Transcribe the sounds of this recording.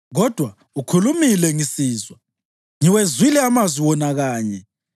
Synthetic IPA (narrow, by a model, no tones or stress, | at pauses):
ɣɔd̥ʱwa | ukʰulumilɛŋisiːzwa | ŋiwezwilɛamazwiwɔnaɣaːɲɛ